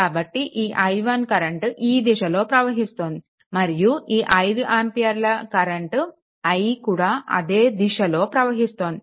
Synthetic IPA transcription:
kaːbɐʈːiʔiːʔɐj̪ʋɐnkɐɾɐɳʈiːd̪iʃɐlo̞ːpɾɐʋɐɦist̪oːnd̪i | mɐɾijuiːʔɐjd̪uʔaːmpijɐɾlɐkɐɾɐɳʈ | ɐjkuːɽaːʔɐ̰d̪e̞ːd̪iʃɐlo̞ːpɾɐʋɐɦist̪oːnd̪i

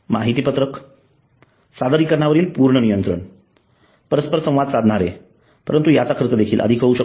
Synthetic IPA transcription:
maɦit̪iːpət̪ɾək | sad̪əɾiːkəɾɳaʋəɾiːlpuɾɳənijənt̪ɾə̰ɳ | pəɾəspəɾsə̃w̃ʋad̪sad̪ʱɳaɾḛ | pəɾənt̪ujat͡sakʰəɾt̪əd̪ekʰiːlʔə̰d̪ʱikʰəuɕə

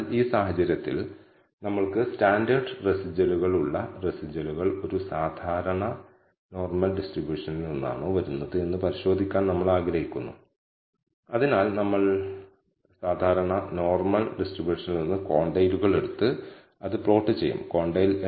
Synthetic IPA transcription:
liːsaːhɐt͡ɕːɐɾjɐt̪ːḭl | nɐmːɐɭkɨstaːndɐrɖresid͡ʑɐluɣɐɭuɭːɐresid͡ʑɐluɣɐɭo̞ɾusaːd̪ʱaːɾɐɳɐ | no̞ːrmɐlɖisʈribjuːʂɐnilninːa̰ːɳo̞ːʋɐɾunːɐðɨe̞nːɨpɐɾiɕo̞ːd̪ʱikʲːaːnnɐmːɐɭaːɡɾɐɦikʲːunːu | ɐðinaːlnɐmːɐɭ | saːd̪ʱaːɾɐɳɐno̞ːrmɐlɖisʈribjuːʂɐnilninːɨko̞ːɳɖɐjluɣɐɭe̞ɽut̪ːɨ | ɐðɨpro̞ːʈːɨt͡ɕḛjːṵmko̞ːɳɖɐjl

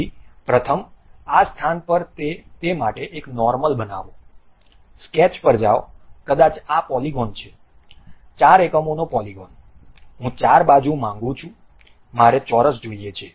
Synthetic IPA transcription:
ipɾət̪ʰəmast̪ʰanpəɾt̪et̪emaʈeʔeknɔɾməlbəna̰ʋo | skɛt͡ʃpəɾd͡ʒa̰okəd̪at͡ʃapɔliɡɔnt͡ʃʰe | t͡ʃaɾekəmonopɔliɡɔn | ɦũt͡ʃaɾbad͡ʒũmãŋɡũt͡ʃʰũ | maɾet͡ʃɔɾəsd͡ʒoiet͡ʃʰe

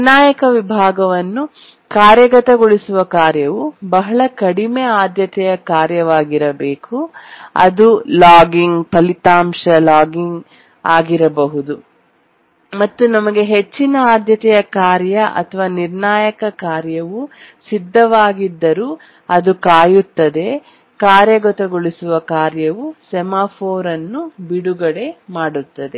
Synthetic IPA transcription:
naːjɐkɐʋibʱaːɡɐʋɐnːu | kaːɾjɐɡɐt̪ɐɡoɭisuʋɐkaːɾjɐʋubɐɦɐɭɐkɐɽimeaːd̪jɐt̪ɛjɐkaːɾjɐʋaːɡiɾɐbeːkuɐ̰d̪ulaːɡiŋɡpɐlit̪aːmʂɐlaːɡiŋɡ | aːɡiɾɐbɐɦud̪u | mɐt̪ːunɐmɐɡe̞ɦe̞t͡ʃːinɐaːd̪ʱjɐt̪ɛjɐkaːɾjɐʔɐ̰t̪ʰɐʋaːniɾnaːjɐkɐkaːɾjɐʋusid̪ʱːɐʋaːɡid̪ːɐɾuː | ɐd̪ukaːjut̪ːɐd̪e̞ | kaːɾjɐɡɔt̪ɐɡoɭisuʋɐkaːɾjɐʋusɛmaːpʰoːɾɐnːubiɽuɡɐɽe̞maːɽut̪ːɐd̪e̞

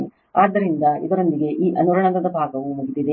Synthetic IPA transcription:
aːd̪ːɐɾind̪ɐḭd̪ɐɾond̪iɡe̞ʔiːʔɐnuɾɐɳɐd̪ɐd̪ɐbʱaːɡɐʋumuɡid̪id̪e

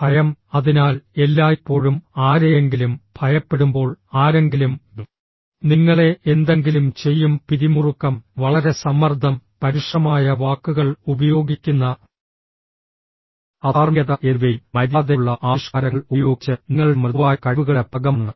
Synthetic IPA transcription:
bʱɐjɐmɐðinaːle̞lːaːipːo̞ːɻumaːɾejeŋɡilumb̥ʱɐjɐpːe̞ɽumbo̞ːɭaːɾe̞ŋɡilum | niŋːɐɭe̞ʔend̪e̞ŋɡilumt͡ɕe̞jːumpiɾimurukːɐmʋɐɭɐɾe̞sɐmːɐrd̪ʱɐmpɐɾiʂrɐmaːjɐʋaːkːuɣɐɭubɐjo̞ːɡikʲːunːɐ | ɐaːrjɐðɐʔeʋelmɐɾaːðeɭːɐʔaːʂkaːɾɐɐɭujo̞ːɡit͡ɕːɐniŋːɐɭmrʋaːjɐkɐʋuɣɐɭepɐɡɐmnːɐ

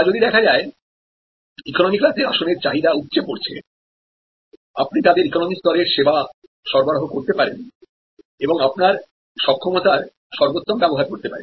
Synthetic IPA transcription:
d͡ʑod̪id̪ɛkʰad͡ʑae | ikonomikɾat̪ʰeaʃoneɾt͡ɕaɦid̪aut̪̚ːt͡ɕepoɾt͡ɕʰḛ | ap̚nit̪ad̪eɾikonomist̪ɔɾeɾʃeba | ʃɔɾbaɾɦokoɾt̪epaɾḛn | eboŋapnaɾ | ʃɔkʰːɔmot̪aɾ | ʃɔɾbot̪ːombɛboɦaɾkoɾt̪epa̰ɾḛn

